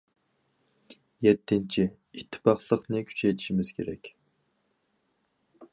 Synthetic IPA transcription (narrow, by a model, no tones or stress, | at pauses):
jɛt̪ʰːɪnt͡ʃʰi | it̪ʰːɪ̥pɑχlˠəqnɨkʲʰy̥t͡ʃʰɛjt̪ʰi̥ʃimɪz̥kʲʰḛɾɛkʲ